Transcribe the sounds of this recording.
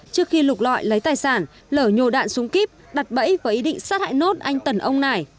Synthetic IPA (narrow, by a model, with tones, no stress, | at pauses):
t͡ɕɨ˦˥əkxi˧lʊ˨˩k͡p̚lɔ̰˧˨jlə˨˦jt̪aː˨˩jsaː˧˩n | ləː˧˩ɲo˨˩ɗa̰ː˧˨nsʊ˨˦ŋ͡mki˦˥p̚ | ɗa˨˩t̚ɓə̰˧˥jvəː˨˦ʔi˨˦ɗḭ˧˨ŋ̟saː˦˥t̚ha̰ː˧˨jno˦˥t̚ʔa˧jŋ̟t̪ə˨˩nʔə˧wŋ͡mna˨˩j